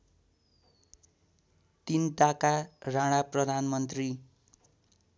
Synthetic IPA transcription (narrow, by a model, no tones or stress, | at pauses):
t̪inʈakarãɽ̃aprʌd̪ʱanmʌnt̪ri